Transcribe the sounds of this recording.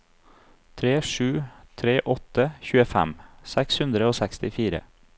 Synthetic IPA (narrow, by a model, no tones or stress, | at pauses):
t̪ʰɾeːʂʉːt̪ʰɾeːʔɔt̪əçʉːəfæ̰msækshʉnd̪ɾəoːsækst̪ɪfiːɾə̰